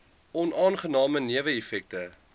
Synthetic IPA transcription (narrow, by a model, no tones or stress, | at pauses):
ʔɔnɑːnχənɑːməniəvəefɛk̚tə